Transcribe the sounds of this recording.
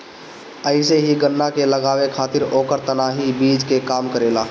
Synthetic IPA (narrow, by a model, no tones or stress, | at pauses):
əɪseɦiɡənːakeləɡaːwekʰaːt̪ɪɾoːkəɾt̪ənaːɦibiːd͡ʒkekaːmkəɾeːlaː